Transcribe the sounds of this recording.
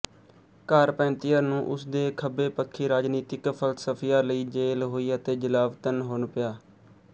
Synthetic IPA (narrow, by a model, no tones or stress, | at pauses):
kaːɾpɛ̃ːnt̪ɪjənũːʔʊ̰sd̪eːkʰəbeːpəkʰːiːɾaːd͡ʒniːt̪ɪkpʰəlsəpʰɪjaːləiːd͡ʒeːlɦoːiːət̪eːd͡ʒəlaːʋt̪ənɦoːɳpɪjaː